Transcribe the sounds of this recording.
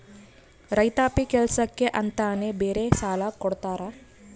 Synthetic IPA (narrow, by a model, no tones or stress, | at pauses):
ɾɐjt̪aːpikɛlsɐkːeʔɐnt̪aːnebeːɾesaːlɐkɔɽt̪aːɾa